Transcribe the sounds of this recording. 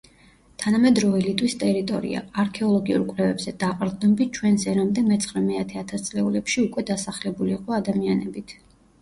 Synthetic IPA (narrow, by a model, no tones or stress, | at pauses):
t̪ʰanamɛd̪ɾɔvɛlit̪ʼwist̪ʼɛɾit̪ʼɔ̰ɾḭa̰aɾkʰɛɔlˠɔɡiṵɾkʼwlɛvɛbzɛd̪aqʼɾd̪nɔbit͡ʃʰwɛnsɛɾamd̪ɛmɛt̪sʰχɾɛmɛat̪ʰɛat̪ʰast̪sʼlɛulɛpʃiukʼwɛd̪asaχlɛbuliːqʼɔad̪amianɛbit̪ʰ